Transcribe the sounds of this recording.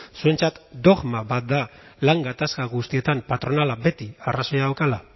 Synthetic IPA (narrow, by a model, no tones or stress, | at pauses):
sue̞nt͡sat̪d̪o̞ɣmaβat̪̚d̪alaŋɡat̪askaɣust̪ie̞t̪ampat̪ɾo̞nalabe̞t̪iaraso̞jaawkala